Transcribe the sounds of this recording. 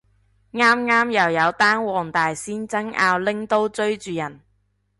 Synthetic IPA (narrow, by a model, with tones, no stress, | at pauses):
ŋaː˥mŋaː˥mjɐ˨˩wjɐ˨˧wt̪aː˥nwɔː˨ŋt̪aː˨jsiː˥nt͡sɐ˥ŋʔa̰ː˧wlɪ˥ŋt̪o˥wt͡ʃɵ˥ɥt͡ʃyː˨jɐ˨˩n